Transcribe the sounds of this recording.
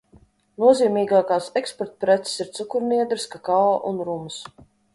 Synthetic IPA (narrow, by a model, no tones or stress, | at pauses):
nuɔziːmiːɡaːkaːsɛkspɔɾt̪̚pɾɛt̪se̥siɾt̪sukuɾniɛd̪ɾskakaɔːʔunɾums